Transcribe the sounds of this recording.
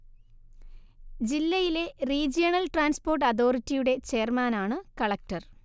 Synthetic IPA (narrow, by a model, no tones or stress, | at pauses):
d͡ʑilːɐjile̞riːd͡ʑijɐɳɐlʈraːnspoːrʈːɐðo̞ːritːijuɽe̞t͡ɕeːrmaːnaːɳɨkɐɭɐk̚ʈɐr